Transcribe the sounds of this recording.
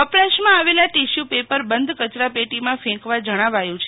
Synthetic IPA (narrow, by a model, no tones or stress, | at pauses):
əplaʃmãaʋelaʈiʃjupepəɾbənd̪ʱkət͡ʃɾapeʈimãfʰɛ̃kʋãd͡ʒəɽ̃aʋajũt͡ʃʰ